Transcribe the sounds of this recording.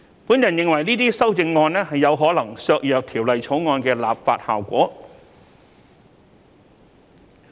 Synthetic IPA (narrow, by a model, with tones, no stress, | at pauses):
puː˨˥njɐ˨˩njɪ˧ŋwɐ˨˩jniː˥t̪iː˥sɐ˥wt͡sɪ˧ŋːɔː˧nɛː˥ɦɐ˨jːɐ˨˧wɦɔː˨˥lɐ˨˩ŋsœː˧k̚jœː˨˧k̚t̪ʰiː˨˩wlɐ˨jt͡sʰo˨˥wŋɔː˧nkɛː˧la̰ː˨pfaː˧t̚ha̰ː˨˩wkʷɔ̰ː˨˥